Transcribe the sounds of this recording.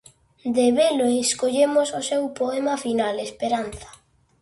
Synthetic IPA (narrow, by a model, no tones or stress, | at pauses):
d̪eβeloeeskoʎemʊsʊsewpoɛmafinalespeɾan̟θḁ